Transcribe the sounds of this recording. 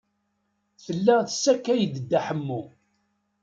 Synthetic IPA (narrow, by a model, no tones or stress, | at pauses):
θəlːæθə̥sːækːæjəd̪əd̪ːæħəmːu